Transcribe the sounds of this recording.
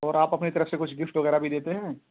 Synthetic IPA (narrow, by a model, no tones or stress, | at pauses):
ɔːɾaːpɐpnit̪ɐɾəfsekʊt͡ʃʰɡɪfʈʋɐɣɛːɾabʱid̪eːt̪eɦɛ̃ː